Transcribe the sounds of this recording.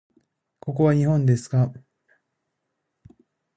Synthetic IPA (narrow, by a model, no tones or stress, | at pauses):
ko̞k̬o̞βaɲ̟ihõ̞nd̪e̞sɨ̥ka